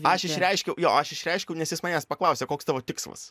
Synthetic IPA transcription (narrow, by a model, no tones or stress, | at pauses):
ɐʃɪʃʲɾʲɛɪʃʲkʲɛʊjoːɐʃɪʃʲɾʲɛɪʃʲkʲɛʊnʲɛsjɪsmɐnʲɛspɐklˠɐʊsʲekoːkst̪ɑːʋoːt̪ʲɪkslˠɐ̰s